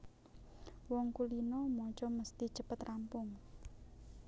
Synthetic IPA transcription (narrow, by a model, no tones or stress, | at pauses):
wɔŋkulinɔmɔt͡ʃɔməst̪i̥d͡ʒ̥əpət̪rampʊŋ